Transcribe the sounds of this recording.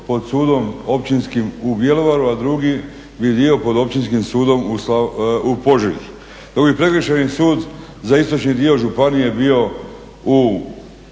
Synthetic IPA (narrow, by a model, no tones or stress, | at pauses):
po̞d̪suːd̪o̞mopt͡ʃinskimubje̞loʋaɾuad̪ɾuɡi | bid̪io̞po̞d̪o̞p̚t͡ʃinskimsuːd̪o̞musaupo̞ʒiḭ | d̪̥oɡbipɾekəʃenisuːd̪zaist̪o̞t͡ʃnid̪io̞ʒupanije̞bio̞ | u